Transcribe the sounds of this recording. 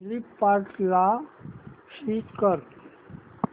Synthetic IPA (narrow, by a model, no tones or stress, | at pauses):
lipːaʈla | ɕiːt̪kəɾ